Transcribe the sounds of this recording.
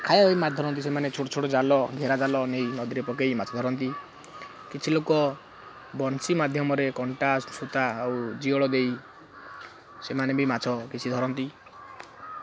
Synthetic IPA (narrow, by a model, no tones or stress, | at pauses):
kʰajabimat̪d̪ʱɔɾɔnt̪isemanet͡ʃʰoʈɔt͡ʃʰoʈɔd͡ʒalɔɡʱeɾad͡ʒalɔnejnɔd̪iɾepɔkejmat͡ʃʰɔd̪ʱɔɾɔnt̪i | kit͡ʃʰilokɔ | bɔnsimad̪ʱjɔmɔɾekɔɳʈasut̪aːwd͡ʒiɔɭɔd̪ej | semanebʱimat͡ʃʰɔkit͡ʃʰid̪ʱɔɾɔnt̪i